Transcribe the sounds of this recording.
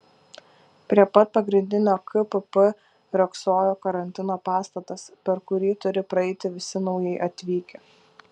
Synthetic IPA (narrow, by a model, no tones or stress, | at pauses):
pʲɾʲiɛpɐt̪̚pɐɡɾʲɪnʲd̪ʲɪnʲoːkɪpɨpɨ | ɾʲɔksoːjoːkɐɾɐnʲt̪ʲɪnoːpɑːst̪ɐt̪ɐspʲɛɾkʊɾʲiːt̪ʊɾʲɪpɾɐɛɪt̪ʲɪʋʲɪsʲɪnɒʊjɛɪʔɐt̪ʲʋʲiːkʲɛ